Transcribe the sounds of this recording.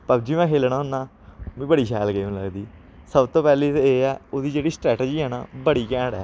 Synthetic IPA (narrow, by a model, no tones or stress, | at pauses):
pəbd͡ʒiːʋɛ̃ːkʰeːlnaːɦʊnaː | mĩːbəɽiːsɛːlɡeːmlə̰ɡd̪iː | səbt̪õːpɛːleːeːɛːoːd̪iːd͡ʒeːɽiːsʈɾɛːʈed͡ʒiːɦɛːna̰ːbəɽiːkɛ̃ːɽɛː